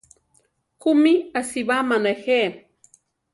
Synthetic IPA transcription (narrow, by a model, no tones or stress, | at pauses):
kumiasiβamanexe